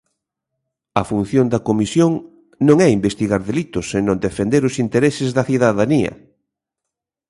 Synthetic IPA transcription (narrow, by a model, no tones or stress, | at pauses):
ɐfun̟θjond̪ɐkomisjoŋ | nõŋɛimbest̪iɣaɾðelit̪ʊsenõnd̪efend̪eɾʊsint̪eɾesɪzðɐθiðaðaniɐ̰